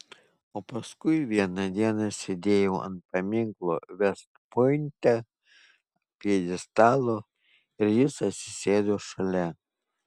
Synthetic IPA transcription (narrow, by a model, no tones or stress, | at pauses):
oːpɐskʊɪʋʲiɛnɐd̪ʲiɛnɐsʲed̪ʲeːjɛʊɐ̰nt̪̚pɐmʲɪŋklˠo̰ːʋʲɛst̪pʊɪnʲt̪ʲɛ | pʲiɛd̪ʲɪst̪ɑːlˠoː | ɪɾjɪsɐt̪ʲsʲɪ̥sʲeːd̪oːʃɐlʲɛ